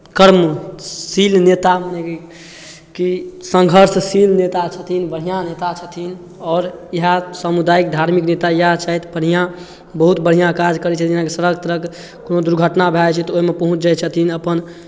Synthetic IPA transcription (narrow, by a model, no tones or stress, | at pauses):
kəɾmsilnet̪aməneke | kisə̃ŋɡʱəɾssilnet̪at͡ʃʰət̪ʰinbəɽ̤ijãnet̪at͡ʃʰət̪ʰin | ɔːɾiɦasamud̪aik̚d̪ʱaɾmiknet̪ajəɦat͡ʃʰaɦit̪bəɽ̤ijã | bəɦut̪bəɽ̤ijãkad͡ʒkəɾɛt͡ʃʰət̪ʰiãkesəɾəɡt̪ɾək | konod̪uɾɡʱəʈnabʱat͡ʃʰɛt̪ɔoɦimepəɦũt͡ʃd͡ʒat͡ʃʰət̪ʰinəpən